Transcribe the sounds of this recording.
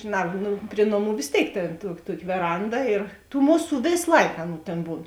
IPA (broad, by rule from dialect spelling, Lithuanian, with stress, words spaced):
ʒʲɪˈnɐ ˈnʊ ˈpʲrʲɪ noːˌmuː ʋʲeːs ˈtʲeːɪk tʲeːn tuɔ ˈtuɔkʲɪ ʋʲɛˈrɐndɐ ɪr tuː ˈmʊˌsuː ˈʋʲeːs ˈlˠɐɪk ˈɑːˌnuː ˈtʲeːn ˈbuːn